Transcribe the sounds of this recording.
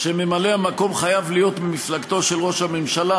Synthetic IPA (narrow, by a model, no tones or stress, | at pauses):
ʃeme̞maleamako̞mχajavlijo̞t̪miflaɡt̪o̞ʃe̞lʁo̞ʃame̞mʃala